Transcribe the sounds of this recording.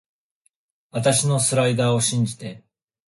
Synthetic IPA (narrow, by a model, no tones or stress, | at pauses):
βat̪aɕino̞sɨɾaid̪aːo̞ɕĩɲ̟d͡ʑit̪e̞